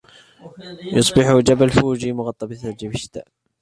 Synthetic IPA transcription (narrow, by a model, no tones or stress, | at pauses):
jʊsˤbɪħʊd͡ʒabalfuːd͡ʒiːmʊɣɑt̪ˤːɑbθad͡ʒibɪʃt̪a̰ːʔ